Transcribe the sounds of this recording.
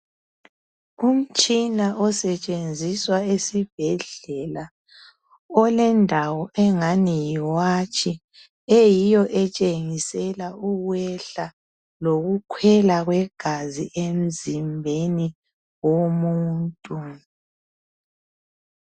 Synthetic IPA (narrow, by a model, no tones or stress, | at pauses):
um̩t͡ʃʼinaʔɔsɛt͡ʃʼend͡zʱiswaesib̥̚ʱɛɮɛla | ɔlɛndʱawɔʔɛŋanijiiwat͡ʃʰi | ejijɔʔɛt͡ʃʼeŋisɛlaʔuɣwɛɬa | loɣukʰwɛlaɣwɛɡ̥ʱaziʔem̩zimbʱeni | womuːntʼu